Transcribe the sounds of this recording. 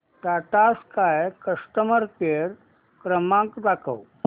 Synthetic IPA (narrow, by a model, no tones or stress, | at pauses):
ʈaʈaskajkəsʈəməɾkeɾ | kɾəmãkd̪akʰə̰w